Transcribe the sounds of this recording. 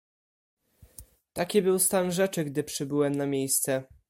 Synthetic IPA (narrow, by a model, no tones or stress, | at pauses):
t̪akʲibɘwst̪anʐɛt͡ʂɘɡd̪ɘpʂɘbɘwɛmnamʲjejst̪sɛ